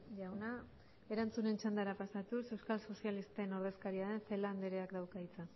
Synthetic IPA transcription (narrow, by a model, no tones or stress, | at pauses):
ʝawna | e̞ɾant͡sune̞nt͡ʃand̪aɾapasat̪use̞wskalso̞sialist̪eno̞ɾð̞e̞skaɾiaðe̞nfeland̪eɾeakd̪awkait͡sa